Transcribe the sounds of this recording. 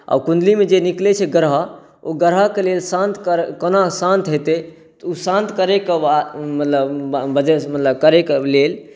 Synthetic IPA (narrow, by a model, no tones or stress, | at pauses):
a̰bkũnd̪limed͡ʒeniklɛt͡ʃʰɛɡəɾɦə | oɡəɾɦakelelsãnt̪ʰkəɾkənasãnt̪ɦot̪ɛ | t̪usãnt̪kəɾekamət̪ləbbəd͡ʒemət̪ləb̚kəɾekblel